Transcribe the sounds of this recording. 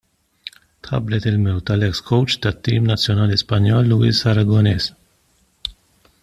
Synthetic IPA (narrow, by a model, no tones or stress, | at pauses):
t̪ħɐ̰blɛt̪ɪlmɛwt̪ɐlɛkskɔwt͡ʃt̪ɐt̪ːiːmnɐt͡sːjɔnɐːlispɐnjɔːlːuɪsɐɾɐɡɔnɛːs